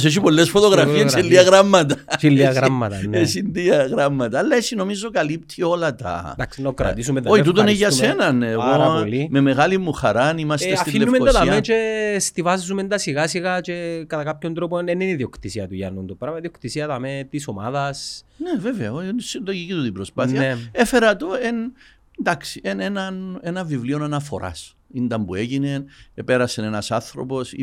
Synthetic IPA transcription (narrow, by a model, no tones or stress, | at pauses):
seʃ̬ipo̞lːesfo̞t̪o̞ɣɾɐfieselːiɐɣɾamːɐt̪ɐt͡ʃiliɐɣɾamːɐt̪ɐesind̪iɐɣɾamːɐt̪ɐːlːɐesino̞mizokɐlip̚t̪ʰio̞lɐt̪ɐ̰d̪akksinɐkɾɐ̰t̪isumeoit̪ut̪oneʝɐssenɐnːɣolimeme̞ɣalimːuxɐɾanimɐst̪esafiinːumenoɐst̪amet͡ʃest̪ivazumend̪ɐsiɣasiɣat͡ʃekɐt̪ɐkapçont̪ɾoponeneniðio̞kt̪isiɐt̪uʝɐ̰nːunt̪opɾɐmɐðiokt̪isiɐt̪ɐmet̪isoma̰ðɐs | neveveɐonsind̪oʝicit̪ut̪ibɾospaθniɐefe̞ɾɐt̪oen | nd̪aksiʔenenɐnenɐɱvivlionɐnɐfo̞̰ɾʔa̰s | ind̪ɐmbue̞ʝine̞nepeɾɐsenenɐsanθɾo̞̰po̞s